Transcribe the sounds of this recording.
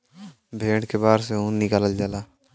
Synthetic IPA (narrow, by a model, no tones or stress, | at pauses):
bʱeːʈkebaːɾseũnnɪkaːləld͡ʒalaː